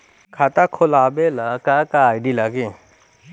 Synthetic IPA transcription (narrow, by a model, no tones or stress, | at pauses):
kʰat̪akʰʊlaːbelakakaːjɖilaki